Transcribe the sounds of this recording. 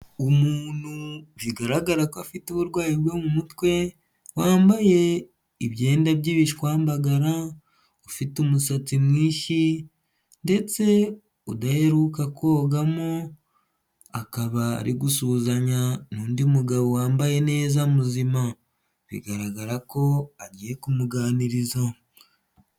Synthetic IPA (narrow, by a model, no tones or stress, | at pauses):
umuːnhuβiɡaɾaɡaɾakoafituβuɾɡwaːjiβɡwemumutwe̞ | waːmbaje̞ | iβje̞ːndaβɟiːβiʃikwaːmbaɡaɾa | ofitumusat͡simwiːʃi | nde̞t͡se̞ | odahe̞ɾukakʰo̞ːɡamo | akaβa̰ːɾiɡusuːzaɲanuːndimuɡaβo̞waːmbaje̞ne̞ːzamuzima | βḭɡaɾaɡaɾako̞aɟiːje̞kumuɡaːniɾiza